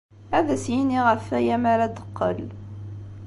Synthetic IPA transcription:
æðəsjiniʁəfæjæmæɾæd̪əqːəl

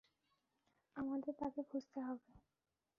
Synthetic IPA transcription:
amad̪eɾt̪akebʱud͡ʑt̪eɦɔbe

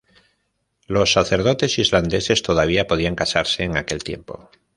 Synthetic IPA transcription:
lo̞sːaθe̞ɾð̞o̞t̪e̞sizland̪e̞se̞st̪o̞ðaβ̞iapo̞ð̞iaŋkasaɾse̞ːŋake̞lt̪je̞̰mpo̞̰

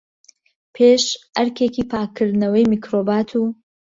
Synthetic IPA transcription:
pʰeʃɐɾkʰekipʰaːkʰːɨɾd̪nɐwɐjmikʰɾoːbaːt̪ʰuː

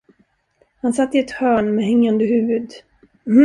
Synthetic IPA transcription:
hansat̪ːɪɛt̪hœːɳmɛɦɛŋːand̪əɦʉ̟ːvɵd̪

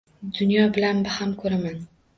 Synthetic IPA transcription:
d̪ʊnjɒbɪlanbɪhamkʰɵɾaman

